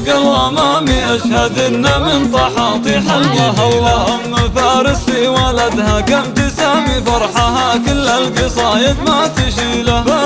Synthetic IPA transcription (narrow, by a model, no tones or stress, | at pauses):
ɡalʔamaːmiʔaʃhad̪ʔɪnːamɪnt̪ˤɑħɑt̪ˤiħaljaɦawːaʔamːfaːɾɪsiwalad̪hakamt̪ɪsaːmifɑɾˤħaɦakɪlʔalɡisˤɑːjɪd̪mat̪ɪʃiːlaba